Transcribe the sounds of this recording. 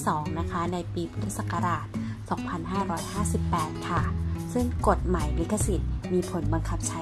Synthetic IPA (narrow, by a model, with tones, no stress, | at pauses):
sɔː˩˦ŋna˦˥kʰa˦˥na˧jpiː˧pʰu˦˥t̪ʰi˦˥t̪̚sa˨˩ka˧ɾaː˨˩t̪̚sɔː˩˦ŋpʰa˧nɦaː˥˩ɾɔː˦˥jhaː˥˩si˨˩pːɛː˨˩t̪̚kʰa˥˩sɯ˥˩ŋko˨˩t̪̚ma˨˩jli˨˦˥kːa˧si˨˩t̪̚miː˧pʰo˩˦nba˧ŋkʰa˦˥p̚t͡ɕʰa˦˥